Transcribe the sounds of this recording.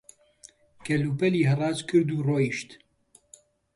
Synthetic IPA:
kʰɛluːpɛliːɦɨrˤɑːzkʰɨɾd̪uːroːjiʃt̪

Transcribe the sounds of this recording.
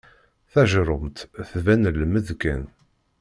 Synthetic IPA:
θæʒɾˤəmt̪θvænəlːməðkæ̰n

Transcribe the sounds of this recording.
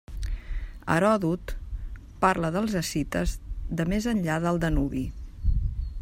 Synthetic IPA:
ə̰ɾɔðut̪ | paɾləðəlˠzəsit̪əzðəmezənʎaðəlˠd̪ənuβi

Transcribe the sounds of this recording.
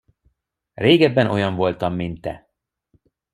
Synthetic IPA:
reːɡɛbːɛnʔo̞jɒɱvo̞lt̪ɒmːint̪ːɛ̰

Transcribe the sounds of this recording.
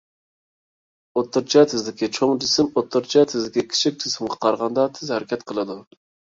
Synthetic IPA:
ot̪ːɨɾt͡ʃʰɛt̪ʰɪzd̪ɪkʲit͡ʃʰoŋd͡ʒɪsɪmot̪ʰːɨɾt͡ʃʰɛt̪ʰɪzd̪ɪkʲikʲʰi̥t͡ʃʰik̚ʲd͡ʒʰɪsɪmʁɑqʰɑɾʁɑnd̪ɑt̪ʰɪzhæɾɪkʲʰɛt̪qʰəlˠɨd̪u

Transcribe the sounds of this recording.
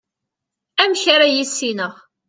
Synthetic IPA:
æmçaɾajisːinəʁ

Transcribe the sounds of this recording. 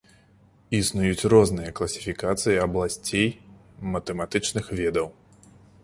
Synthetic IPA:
isnujut͡sʲrɔzn̪ɨjɐklˠɐsʲi̥fʲikat̪sɨjiɐblˠasʲt͡sʲej | mɐt̪ɛmat̪ɨt͡ʂnɨxvʲɛd̪ɐw

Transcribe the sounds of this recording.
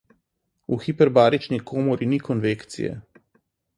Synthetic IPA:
uxipɛɾbaːɾit͡ʃnikʰoːmɔɾinikɔnʋekt̪sḭjɛ̰

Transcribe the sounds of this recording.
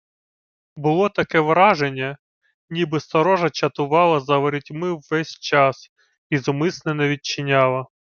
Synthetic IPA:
bʊlˠɔt̪ɐkɛʋɾɑʒenʲːɐ | nʲibɪst̪ɐɾɔʒɐt͡ʃɐt̪ʊʋɑlˠɐzɐʋeɾʲɪtʲmɪwːɛsʲt͡ʃɑs | izʊmɪsnɛnɐʋʲit͡ʃːɪnʲɑlˠɐ

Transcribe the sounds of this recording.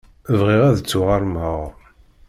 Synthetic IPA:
əvʁiʁæðət͡sːʊʁaɾˤmhəʁ

